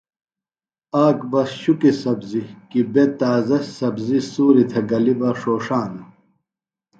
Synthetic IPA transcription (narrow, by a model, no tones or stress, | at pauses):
aːkbɐsɕukisɐbzikibet̪aːzɐssɐbzisuːɾit̪ʰɐɡɐlibɐʂoːʂaːnu